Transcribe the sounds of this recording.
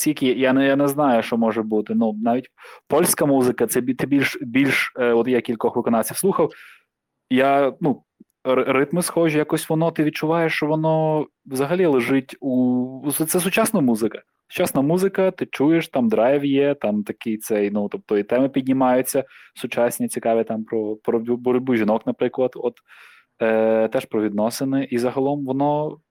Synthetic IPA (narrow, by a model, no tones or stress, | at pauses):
sʲjɐkʲijanɛjanɛznɑjʊʃt͡ʃɔmɔʒɛbut̪ɪnunɑʋʲitʲpɔlʲsʲkɐmuzɪkɐt̪sɛbʲit̪ɪbʲilʲʃbʲilʲʃɔt̪jakʲilʲkɔxʋɪkɔnɑwsʲiwsˠuxɐw | janu | rɪt̪mɪsxɔʒʊjakɔsʲʋɔnɔt̪ɪʋʲid̚t͡ʃʊʋɑjeʃt͡ʃɔʋɔnɔ | ʋzɐɦɐlʲilˠɪʒɪtʲut̪sɛsʊt͡ʃasnɐmuzɪkɐ | sʊ̥t͡ʃɑsnɐmuzɪkɐt̪ɪt͡ʃujeʃt̪ɑmd̪ɾɑjwjɛt̪ɑmt̪ɐkɪjt̪sɛjnut̪ɔp̚t̪ɔjit̪ɛmɪpʲid̪ʲnʲɪmɑjʊt͡sʲːɐsʊt͡ʃɑsʲnʲit͡sʲikɑʋʲɪt̪ɑmpɾɔpɾɔbɔɾɔdʲbuʒʲɪnɔknɐpɾɪklˠɐd̪ɔt̪ | t̪ɛʃpɾɔʋʲid̪nɔsɪnɪʔizɐɦɐlˠɔmʋɔnɔ